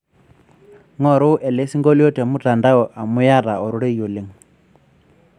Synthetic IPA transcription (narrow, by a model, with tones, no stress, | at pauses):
ŋɔ˦˨ɾu˦ʔɛ˨le˦si˦ŋɡo˦li˦ɔ˦tʼɛ˨mu˦tʼa˨nda˦ɔ˨ʔa˨mu˦ja˦ɾa˨ɔ˨ɾu˦ɺe˦˨jo˨le˨ŋ